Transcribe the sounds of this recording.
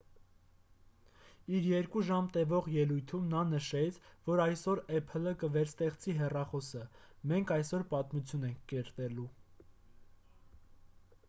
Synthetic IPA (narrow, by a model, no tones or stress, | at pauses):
iɾjɛɾkuʒɑmt̪ɛvɔʁjɛlujt̪ʰumnɑnəʃɛt͡sʰvɔɾɑjsɔɾɛpʰələkəvɛɾst̪ɛχt͡siɦɛrɑχɔsə | mɛŋkʰɑjsɔɾpɑt̪mut͡sʰjunɛŋkʰːɛɾt̪ɛlu